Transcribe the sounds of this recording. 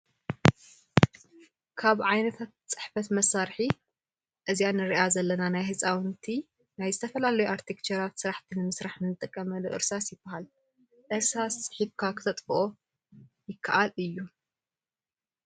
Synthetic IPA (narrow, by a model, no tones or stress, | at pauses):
kʰaβʕajnɐt̪ʰat̪̚t͡sʼɨħfɐt̪mɐsaɾħi | ʔɨzijanɨɾiʔazɐlːɐnanajhɨsʼawnt̪ʰi | najzɨt̪ʰɐfɐlalɐjuʔaɾt̪ʰikt͡ʃɐɾat̪sɨɾaħt̪ʰinɨmɨsɾaħnɨnɨt̪ʼɨkʼːɐmɐloʔɨ̰ɾsasjɪb̥ːɐhal | ʔɨɾsasʼħifkʰakʰɨ̥t̪ʰɐt̪ʼfʔo | jɪkʰːaʔalɨjːu